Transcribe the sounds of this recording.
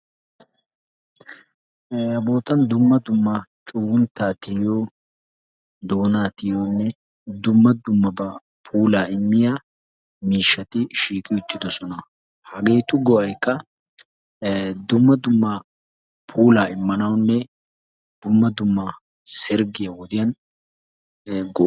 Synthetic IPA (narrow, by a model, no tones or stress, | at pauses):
ɐbo̞ːt̪ɐnd̪ʊmːɐd̪ʊmːɐt͡ʃʼuːwʊnt̪ːaːt̪ɪjoː | d̪o̞ːnaːt̪ɪjoːnːɛ | d̪ʊmːɐd̪ʊmːɐbɐ | pʰuːlaːɪmːɪja | miːʃːɐt̪ɪʃiːkʼɪjɔɪt̪ːɪd̪ɔsɔnɐ | hɐɡe̞ːt̪ʊɡɔʔɐjkːɐ | d̪ʊmːɐd̪ʊmːɐ | pʰuːlaːɪmːɐnɐwnːɛ | d̪̥ʊmːɐd̪ʊmːɐ | sɪɾɡɪjɐwɔd̪ɪjɐn | ɡɔ